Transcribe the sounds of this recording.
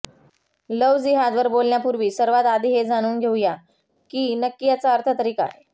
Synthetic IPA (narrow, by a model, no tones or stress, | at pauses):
ləʋd͡ziːɦad̪ʋəɾbolnjapuɾʋiːsəɾʋat̪ad̪ʱiːɦed͡zañuːnɡʱeuja | kiːnəkːijat͡saəɾt̪ʰət̪əɾiːka̰j